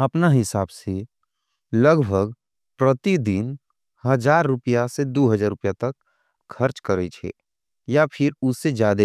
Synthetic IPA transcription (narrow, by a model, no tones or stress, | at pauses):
əpnaɦɪsaːbse | ləɡbʱəɡ | pɾət̪id̪ɪn | həd͡ʒaːɾːʊpijased̪oːɦəd͡ʒaːɾʊpijat̪ɐkʰ | kʰəɾt͡ʃkəɾet͡ʃʰḛ | japʰɪɾʊsːed͡ʒjaːd̪e